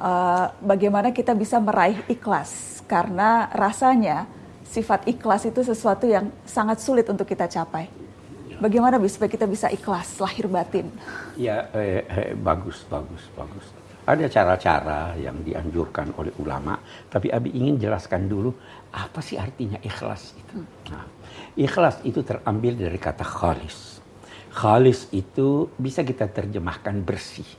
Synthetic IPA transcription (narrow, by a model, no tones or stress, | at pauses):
ʔəbaɡajmanakit̪abisaməɾʔaɪɦiklas | karənarasaɲa | sifat̪iklasit̪us̬əsuat̪ujaŋ | saŋat̪sulɪt̪unt̪ʊkːit̪at͡ʃapaj | baɡajmanabisu̥pakit̪abisaʔiklaslahɪrbat̪ɪnija̰ | baɡʊsbaɡʊsba̰ɡʊs | ʔadat͡ʃaɾat͡ʃa̰ɾaja̰ŋdiʔa̰ɲd͡ʒurkano̰lɛhula̰ma̰t̪apiʔabiiŋɪnd͡ʒəlaskandulu | ʔapasɪhart̪iɲaʔixla̰sit̪u | na̰mʔixlasit̪ut̪ərambɪldaɾikat̪axalɪ̰s | xalɪsit̪ubisak̬it̪at̪ərd͡ʒəmahkanbərsi